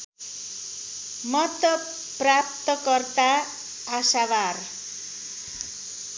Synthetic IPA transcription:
mʌt̪ʌ | prap̚t̪ʌkʌrt̪aː | sawar

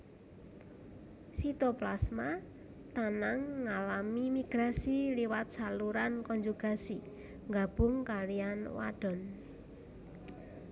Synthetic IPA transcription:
sit̪ɔplasma | t̪anaŋːalamimiɡ̥ɾasiliwat̪̚saluɾankɔnd͡ʒuɡ̥a̤si | ŋɡab̥ʊ̤ŋkalijanwa̰ɖ̥ɔ̤n

